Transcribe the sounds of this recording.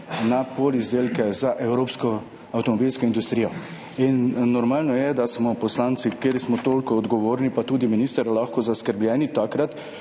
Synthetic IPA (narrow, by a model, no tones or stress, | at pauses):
napolizd̪eːlkɛzaʔɛwɾoːpskɔ | awt̪ɔmɔbilskɔind̪ust̪ɾijɔ | inːɔɾmaːlnɔjɛd̪asmɔpɔslaːnt̪sikeɾsmɔt̪oːlkɔːd̪ɡɔʋoːɾnipat̪uːd̪iminiːst̪əɾalaxkɔzaskəɾbljɛːnit̪akɾat̪